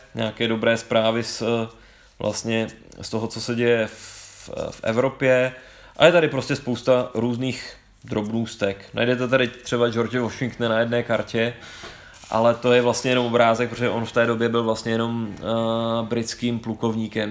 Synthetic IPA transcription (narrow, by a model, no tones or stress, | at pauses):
ɲaːkɛːdo̞bɾɛːspɾaːvɪs | vlʔa̰st̪ɲɛ | st̪o̞ɦo̞t͡so̞sɛɟɛjɛf | fʔɛ̰vɾo̞pjɛ | ʔa̰jɛt̪aɾɪpɾo̞scɛspowst̪aɾuːzniːx | d̪ɾo̞bnuːst̪ɛkna̰jdɛt̪̬ɛt̪adɪt̪r̥ɛbad͡ʒo̞ɾd͡ʒɪvoʃɪŋk̚t̪nɛnajɛdnɛːkaɾcɛ | ʔa̰lɛt̪ojɛvlast̪ɲɛjɛno̞mo̞bɾaːzɛk̚pɾooʒɛʔo̞nft̪ɛːdo̞bjɛbɪlvlast̪ɲɛjɛno̞m | bɾɪt͡skiːmpluko̞vɲiːkɛm